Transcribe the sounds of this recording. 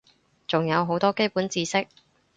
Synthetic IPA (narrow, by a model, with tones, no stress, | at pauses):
t͡sʊ˨ŋjɐ˨˧wɦo˨˥wt̪ɔː˥ke˥jpu˨˥nt͡siː˧sɪ˥k̚